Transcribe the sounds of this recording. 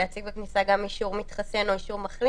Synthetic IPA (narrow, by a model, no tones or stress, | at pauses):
eat͡siɡbeknisaɡamiʃuʁmit̪χase̞no̞iʃuʁmaχli